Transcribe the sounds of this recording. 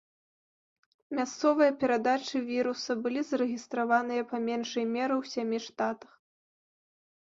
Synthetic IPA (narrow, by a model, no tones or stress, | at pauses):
mʲast̪sɔvɨjɐpʲɛɾad̪at͡ʂɨvʲiɾusɐbɨlʲizɐɾɨɣʲist̪ɾavanɨjɐpɐmʲɛnʂɐjmʲɛɾɨwsʲamʲiʂt̪at̪ɐ̥x